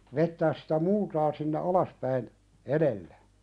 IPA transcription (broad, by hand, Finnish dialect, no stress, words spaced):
ʋetːæːs si̥tæ multɑː sinːe ɑlɑspæin eɾelːæ